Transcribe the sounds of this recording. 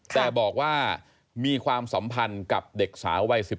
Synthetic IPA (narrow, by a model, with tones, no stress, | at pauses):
tk̪ʰɛː˨˩bɔː˨˩k̚waː˥˩ | miː˧kʰwaː˧msa˩˦mpʰa˧nka˨˩p̚de˨˩k̚sa̰ː˩˦wwa˧jsi˨˩